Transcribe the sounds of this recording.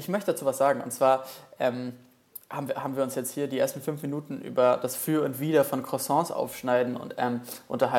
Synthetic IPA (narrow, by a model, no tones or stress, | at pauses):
ʔɪçmœçtəd̥at͡suːvasz̥aːɡŋ̩ʊ̰ntt͡sv̥aːɐʔɛːm | haːbmviːəhaːbm̩viːɐʊnsjɛt͡sthiːɐdiʔḛɐstn̩fʏnfminuːtn̩ʔy̰ːbɐd̥asfyːɐʊntv̥iːɾɐfɔnkʰʁ̥ɔsɔ̃ːsʔa̰ʊfʃnaɪdn̩ʊ̰ntʔɛ̰ːmʔʊ̰ntɐɦa